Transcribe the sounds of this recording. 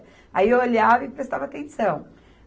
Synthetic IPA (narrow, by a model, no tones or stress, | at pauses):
aiewoʎavɐipɾest̪avɐt̪ẽsɐ̃w̃